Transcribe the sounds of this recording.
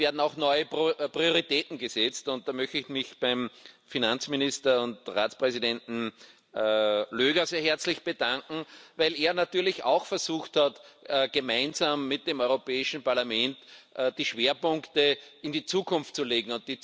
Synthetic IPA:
eːɐdn̩ɑʊxnɔʏəpʁioʁitɛːtn̩ɡəsɛt͡stʊnt̚d̥aːmœçtɪçmɪçb̥æɪmfinant͡smɪnɪstɐʊntʁa̰ːt͡spʁɛzidɛ̃ntn̩ | løːɡɐseːɐɦɛɐt͡slɪçb̥əd̥ãŋkŋ̩væɪleːɐnatyːɐlɪçɑ̰ʊxfɛɐzuːxthatːɡ̥əmaɪnzaːmːɪt̚d̥eːmɔʏʁopɛːɪʃn̩paɐlamɛ̃ntʔd̥iːʃveːɐpʊ̃ŋktəɪndiːt͡suːkʰʊ̃nftt͡suleːɡŋ̩ʊ̃nt̚d̥iː

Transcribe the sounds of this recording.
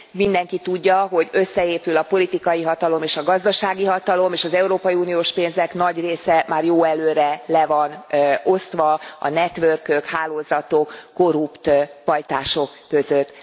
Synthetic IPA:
mind̪ɛŋkit̪uɟːɒɦo̞ɟø̞sːɛeːpylɒpo̞lit̪ikɒjiɦɒt̪ɒlo̞meːʃɒɡɒzd̪ɒʃaːɡiɦɒt̪ɒlo̞meːʃɒzɛuɾoːpɒjiuːnijoːʃpeːnzɛkn̪ɒɟreːsɛmaːrjoːɛløːɾɛlɛvɒno̞st̪ʋɒɒ̰nɛt̪ʋørkøkhaːloːzɒt̪o̞kːo̞ɾupt̪ʋɒjt̪aːʃo̞kːø̞zøt̪ː

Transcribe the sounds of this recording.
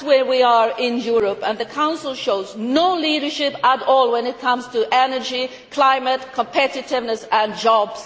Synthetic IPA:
wə˞wiə˞ɪ̃njuɹəpə̃nðɨkʰãʊ̃nsl̩ˠʃoʊznoʊliɾə˞ʃɪpəɾɔlˠwə̃nɨt̚kʰʌ̃mz̥tʰɨʔɛnə˞d͡ʒi | kʰl̥ãɪ̃mɨt̚kʰə̃mpʰɛɾɨɾɪvnəsə̃nd͡ʒɑbz̥

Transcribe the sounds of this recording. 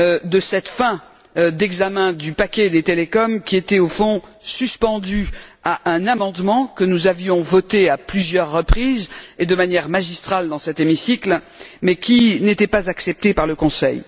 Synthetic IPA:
d̪əsɛt̪fɛ̃ | d̪ɛɡzamɛ̃d̪ypakʲɛd̪et̪elekɔmkʲiet̪ɛofɔ̃syspɑ̃d̪yaʔɛ̃namɑ̃d̪mɑ̃kənuzavjɔ̃vɔt̪eaplyzjœʁːəpχized̪əmanjɛʁmaʒist̪χald̪ɑ̃sɛt̪emisikl | mɛkʲinet̪ɛpazaksɛp̚t̪epaʁləkɔ̃sɛ̰j

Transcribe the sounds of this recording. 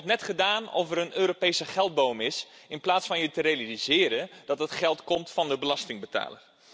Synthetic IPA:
ɛtnɛtχədaːnɔ̰fəɾənøːɾopejsəχɛlˠd̚boːwmɪsɪnplaːtsfɑnjətərealizɪːɾəd̥ɑtətχɛlˠtkɔmtfɑndəbəlɑstɪŋbəta̰ːlər

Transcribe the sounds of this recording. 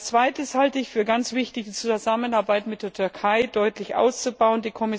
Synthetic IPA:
t͡sv̥aɪtəshaltəɪçfyːɐɡant͡sv̥ɪçtɪçd̥iːt͡suzamənaɐbaɪtmɪt̚d̥eːɐtʰʏɐkʰaɪd̥ɔʏtlɪçʔa̰ʊst͡subaʊəndiːkʰɔmɪ

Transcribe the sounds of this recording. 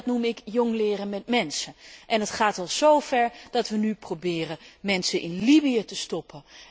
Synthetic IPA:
tnumɪkjɔŋlɪːrəmɛtmɛnsəʔɛnətχaːtɛlˠz̥owfɛɹdɑtʋənyprobɪːrəmɛnsənʔɪnlibiətəstɔpʰə

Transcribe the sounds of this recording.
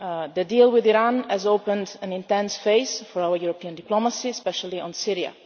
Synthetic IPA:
ðədilˠwɪðiɾãnɛzoʊpə̃ndæ̃nɪ̃ntɛ̃nsfeɪzfɔɹaʊəɹjuɹɔpiə̃ndɪploməsiɛspɛʃəl̩ˠiə̃nsiɹia̰

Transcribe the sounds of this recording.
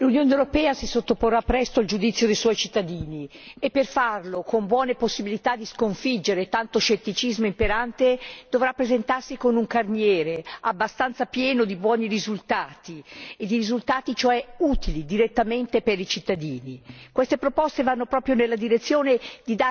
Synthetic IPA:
lunjoːnewɾopɛːasisot̪ːoporːapːɾɛst̪oald͡ʒud̪it̪sːjod̪ejswɔjt͡ʃit̪ːad̪iːniepːerfarlokombwɔːneposːibilit̪ad̪ːiskoɱfid͡ʒːeɾet̪ant̪oʃet̪ːit͡ʃizmoimpeɾant̪ed̪̥ovɾapːɾezent̪arsikonuŋkarnjɛːɾeabːast̪ant̪sapjɛːnod̪ibwɔːnirizult̪aːt̪ied̪ːiɾizult̪aːt̪it͡ʃoɛuːt̪ilid̪iɾet̪ːament̪eperit͡ʃit̪ːad̪iːnikwest̪epɾopɔst̪evanːopɾɔːpɾjonelːad̪iɾet̪sːjoːned̪id̪a

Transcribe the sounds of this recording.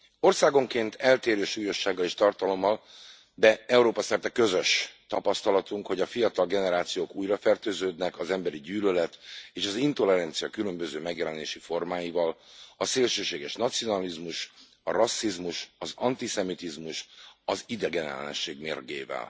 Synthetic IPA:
o̞rsaːɡo̞ŋkeːnt̪ʰɛlt̪eːɾøːʃuːjo̞ʃːaːɡːɒleːʃt̪ɒrt̪ɒlo̞mːɒl | d̪ɛɛuɾoːpɒsɛrt̪ɛkø̞zø̞ʃt̪ɒpɒst̪ɒlɒt̪uŋkho̞ɟɒfijɒt̪ɒlɡɛnɛɾaːt̪sijoːkuːjrɒfɛrt̪øːzøːd̪nɛkɒzɛmbɛɾiɟyːlølɛt̪eːʃɒzint̪o̞lɛɾɛnt̪sijɒkylø̞mbø̞zøːmɛɡjɛlɛnḛːʃifo̞rmaːjivɒlɒseːlʃøːʃeːɡɛʃnɒt̪sijo̞nɒlizmuʃ | ɒrɒsːizmuʃɒzɒnt̪isɛmit̪izmuʃɒzid̪ɛɡɛnɛ̰lɛ̰nɛ̰ʃːeːɡmeːrɡḛːvɛ̰l

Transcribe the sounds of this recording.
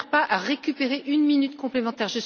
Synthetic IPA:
ʁpaʔaʁekʲypeʁeʔynminyt̪kɔ̃plemɑ̃t̪ɛʁʒəs

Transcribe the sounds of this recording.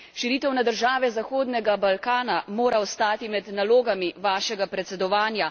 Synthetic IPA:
ʃiɾiːt̪ɛwnad̪əɾʒaːʋɛzaxoːd̪nɛɡabalkaːnamoːɾaɔst̪aːt̪imɛd̪naloːɡamiʋaːʃɛɡapɾɛt̪sɛd̪ɔʋaːnja

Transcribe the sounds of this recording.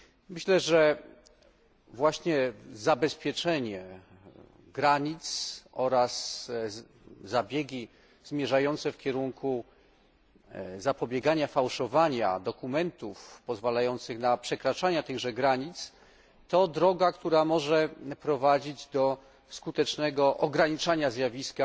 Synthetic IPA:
mɘɕlɛʐɛ | vwaɕɲɛzabɛspʲjɛt͡ʂɛɲɛ | ɡɾaɲit̪sɔɾas | zabʲjɛɡʲi | zmʲjɛʐajɔnt̪sɛfkʲɛɾuŋkʰu | zapɔbʲjɛɡaɲafawʂɔvaɲa̰d̪ɔkumɛnt̪ufpɔzvalajɔnt̪sɘxnapʂɛkɾat͡ʂaɲat̪ɘɣʐɛɡɾaɲit̪s | t̪ɔd̪ɾɔɡakt̪uɾamɔʐɛpɾɔvad͡ʑid͡ʑd̪ɔ | skut̪ɛt͡ʂnɛɡɔʔɔɡɾaɲit͡ʂaɲazʲjavʲiska

